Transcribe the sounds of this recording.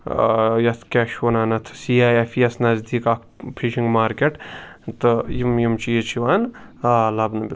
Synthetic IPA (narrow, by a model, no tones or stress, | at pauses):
jɐt̪ʰkʲeːʃonaːnɐt̪ʰsiːaːjefʰijɐsnɐzd̪iːkɐkʰpʰiʃiŋɡmaːɾkʲeʈt̪ɨjimjimt͡ʃijit͡ʃʰiʋaːnalɐbnɨbʲi